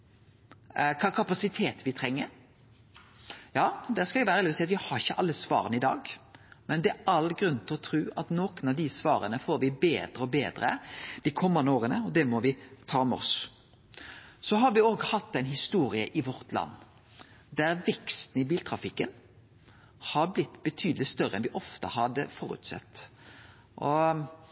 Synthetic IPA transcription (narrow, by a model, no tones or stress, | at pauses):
kʰɑkʰɑpɑsɪt̪ʰeːt̪ʋɪt̪ʰɾɛŋːəɾ | jɑːd̪æskɑɪʋæːɾəlːsɛɪɑt̪ʋɪhɑɾɪçəʔɑlːəsʋɑ̰ːɾənɪd̪ɑ̰ːɡmɛnd̪ɛæɑlɡɾʉnt̪ʰlɔt̪ʰɾʉːʔɑt̪noːkənɑʋd̪ɪsʋɑ̰ːɾənəfoːɾʋɪbeːd̪ɾəɔbeːd̪ɾə̰d̪̥ɪkʰɔmːɑnd̪əoːɾənəɔd̪ɛmɔʋɪt̪ʰɑːmɛɔ̰s | sɔɦɑɾʋɪoːɡhɑt̪ːɛɪnhɪst̪uːɾɪə̰ʔɪʋɔɾt̪lɑ̰nː | d̪æɾʋɛkst̪n̩ɪbiːlt̪ʰɾɑfɪkːən | hɑɾblɪt̪ːbət̪ʰyːd̪əlɪst̪œɾəɛnʋɪʔɔft̪əhɑd̪əfɔɾʉ̰t̪sɛ̰t̪ː | ʔɔ